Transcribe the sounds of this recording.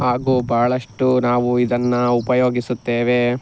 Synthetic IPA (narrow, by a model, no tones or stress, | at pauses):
ɦaːɡuːbʱaːɐɭɐʂʈunaːʋuid̪ɐnːɐupɐjoːɡisut̪ːeːʋe̞